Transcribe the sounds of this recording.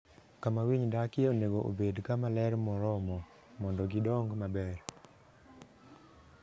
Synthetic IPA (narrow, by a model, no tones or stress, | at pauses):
kamawiɲdakeoneɡoʔo̰bedkamalɛɾmɔɾɔmɔ | mɔndɔɡidɔŋɡmabɛr